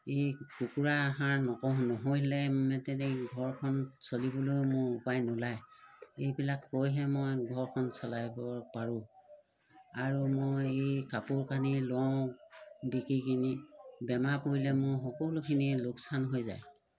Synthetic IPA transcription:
ejkukuɹaɦãɹnɔkɔɦnɔɦojlɛmɛtɛteɡʱɔɹkʰɔnsolibɔlojmʊɹupajnʊlajejbilakːojɦɛmojɡʱɔɹkʰɔnsɔlajbɔpaɹʊ̃ | aɹumojejkapuɹkanilɔ | bikɹikʰinibɛmapoɹilɛmʊjxɔkɔlʊkʰiniloksanɦojza̰j

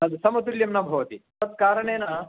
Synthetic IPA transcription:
ɐd̪sɐmɐt̪uljɐmnɐbʱɐʋɐt̪i | ɐt̪̚kaːɾɐɳeːnɐ

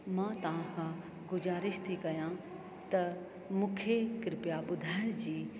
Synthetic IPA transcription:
mãt̪ɐʋ̤ãkʰã | ɡʊzaːɾɪʃt̪ʰikɐjã | t̪ɐ | mũːkʰekɾɪpjaɓʊd̪ʱaːɪɽ̃d͡ʑiː

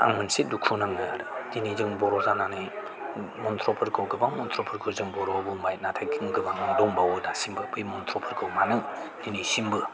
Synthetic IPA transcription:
a̰ŋmɯnsidukʰunaŋɯɾɯdinizɯŋbɔɾɔzananɯ | mɔnt̪ʰɾɔpʰɯɾkʰɯwɡɯbaŋmɔntʰɾɔpʰɯɾkʰɯwzɯŋbɔɾɔbumajnatʰajɡɯŋɡɯbaŋnaŋdɔŋbawɯdasimbɯpʰɯjmɔnt̪ʰɾɔpʰɯɾkʰɯwmanɯŋninisimbɯ

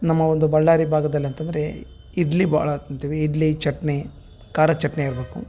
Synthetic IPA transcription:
nɐmːɐond̪ubɐɭːaːɾibʱaːɡɐd̪ɐliɐnt̪ɐnd̪ɐɾe | iɖlibʱa̰ːɭɐt̪nt̪iːʋiːɖlit͡ʃɐʈne | kaːɾɐt͡ʃɐʈɐneiɾɐbeːkṵ

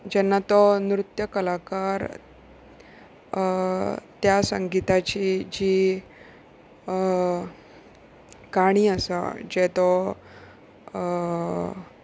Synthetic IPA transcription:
d͡ʑɛnːat̪ɔnɾut̪jəkəlakaɾ | t̪jasə̰ŋɡit̪at͡ɕid͡ʑiː | kaɽ̃iːəsa̰d͡ʑɛt̪ɔ

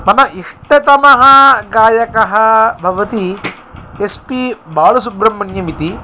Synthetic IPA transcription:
mɐnɐʔiʂʈɐt̪ɐmɐɦɐɡaːjɐkɐɦɐbʱɐʋɐt̪i | espibaːɭɐs̬ubɾɐmːɐnjɐmit̪i

